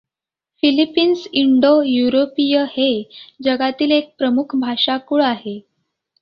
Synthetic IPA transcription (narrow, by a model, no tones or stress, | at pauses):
filipiːnsiɳɖojuɾopijəhed͡ʑəɡat̪iːlek̚pɾəmukʰbʱaʂakuɭaɦe